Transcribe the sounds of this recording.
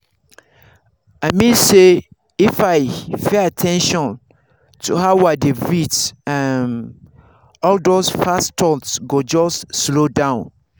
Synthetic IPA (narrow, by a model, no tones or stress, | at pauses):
aɪmĩnse | ifaɪfeatʰɛ̃nʃɔ̃n | tʰuhawadevitɛ̃n | ɔldosfastʰɔtsɡod͡ʒɔsslodãʊ̃n